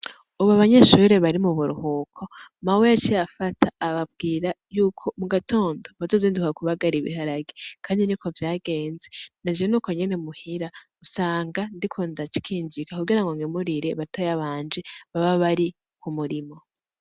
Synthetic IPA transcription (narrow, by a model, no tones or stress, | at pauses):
uβaβaɲeʃuɾe̞βaɾimuβuɾuhuːkʰo̞mawijat͡ʃiafatʰaːβab̚ɡiːɾajuːkʰo̞muɡatʰo̞ːndo̞βazoziːndukakuβaɡaɾiβḭɦaɾaɡekʰaːndinikʰo̞vjaːɡe̞ːnzenad͡ʒienuːko̞ɲe̞ne̞muhiɾausaːŋɡandikʰondat͡ʃi̥kʰiːnd͡ʒikakuɡiɾaŋɡoŋɡemuɾiɾeβatojaβaːnd͡ʒe̞βaβaβaɾi | kʰumuɾimo̞